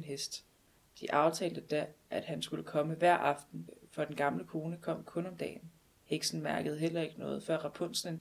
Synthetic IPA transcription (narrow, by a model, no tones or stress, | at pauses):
nɦesd̥ | d̥iʔɑ̈ʊt͡sʰɛ̰ːld̥əd̥æʔæd̥hænsɡ̥uləkʰɒ̽məʋæɐ̰ʔɑ̈fd̥n̩fɒ̽d̥enɡ̥ɑ̈mləkʰo̝ːnəkʰɒ̽m̰kʰɔ̽nɒ̽md̥ɛ̰ːn | heɡ̥sn̩mæɐɡ̥əð̞̩ˠɦel̰ɐe̝ɡ̥ənɔ̽ːð̞̩ˠfɶɐ̰ʁɑpʰɔn̰sne